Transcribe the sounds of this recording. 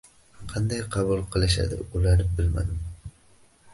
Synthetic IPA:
qʰɑnd̪ɑjqʰɑbʊlˠqʰɨlˠɪʃa̰d̪ɪ̰ulaɾnɪbɪlmæ̰d̪ɪm

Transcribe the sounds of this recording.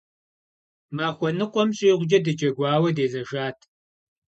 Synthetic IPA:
maːxʷɔnɨqʷʼɔmɕʼiːʁʷʊd͡ʒɐdɨd͡ʒɐɡʷɑːwɐdeːzɐʒaːtʰ

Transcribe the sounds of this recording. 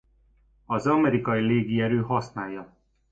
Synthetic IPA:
ɒzɒmɛɾikɒjileːɡiɛɾøːɦɒsnaːjːɒ

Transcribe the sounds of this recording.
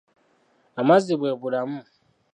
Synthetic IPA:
amazibwebuɾamu

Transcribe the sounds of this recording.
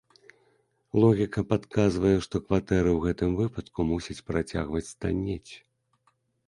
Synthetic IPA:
lˠɔɣʲikɐpat̪kʰazvɐjɛʂt̪ɔkvat̪ɛɾɨwɣɛt̪ɨmvɨpɐt̪kumusʲɐt͡sʲpɾat͡sʲa̰ɣvɐt͡sʲst̪a̰nʲɛt͡sʲ

